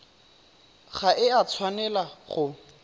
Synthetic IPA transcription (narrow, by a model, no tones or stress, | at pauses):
χaʔɪat͡sʰwanɛlaχʊ